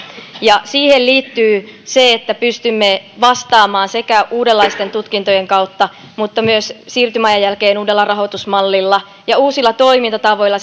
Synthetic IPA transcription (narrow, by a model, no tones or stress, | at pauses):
jɑsiːhelliːt̪ːyːseet̪ːæpyst̪ymːeʋɑst̪ɑːmɑːnse̞kæʔuːdelːɑist̪e̞nt̪ut̪kint̪o̞jeŋkɑwt̪ːɑ | mut̪ːɑmyøssiːrt̪ymɑjɑjːælkeːnuːdelːɑrɑɦo̞t̪usmɑlːilːɑ | jɑuːsilːɑt̪o̞imint̪ɑt̪ɑʋo̞ilːɑ